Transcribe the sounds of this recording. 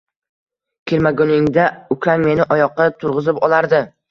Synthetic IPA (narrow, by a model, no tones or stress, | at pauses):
kʲʰeɾmaɡʊnɪŋd̪aʊkʲʰanme̞nɪʔɒjɒqʰːɑt̪ʰʊɾʁɨzɪpɒlˠaɾd̪ɪ